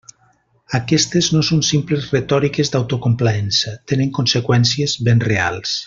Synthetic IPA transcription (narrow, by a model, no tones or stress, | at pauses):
akɛst̪eznosonsimplezret̪ɔɾikezd̪awt̪okomplaɛnsat̪eneŋkonsekwɛnsiezβenrea̰lˠs